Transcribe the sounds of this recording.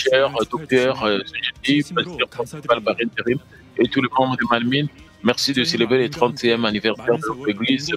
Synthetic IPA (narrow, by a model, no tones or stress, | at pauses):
ʃɛʁd̪ɔk̚t̪œʁsɔʒet̪ipast̪œʁpχɛ̃sipalbaʁint̪eʁim | et̪ulemɑ̃bʁəd̪əmalmin | mɛʁsid̪əselebʁelet̪χɑ̃t̪jɛmanivɛʁsɛʁd̪əlɔt̪χeɡliz